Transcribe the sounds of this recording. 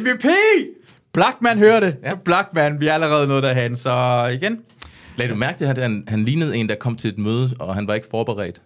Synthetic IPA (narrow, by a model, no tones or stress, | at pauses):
ʋipʰe | b̥lɑɡ̥̚mænɦøːɐɾe̝b̥lɑ̈ɡ̥mænʋiææləʁɛːð̞̩ˠnɔ̽ːð̞̩ˠd̥ɑɦænsɒ̽iɡ̥en | lɛ̰ːd̥umæɐɡ̥ət͡sʰe̝æænhænliːnəð̩ˠe̝nd̥ɑ̈kʰɒ̽m̰t͡sʰe̝le̝d̥møːð̞ˠəɒɦhænʋɑ̈e̝ɡ̥ə̥fɒːb̥eʁɛ̰ːd̥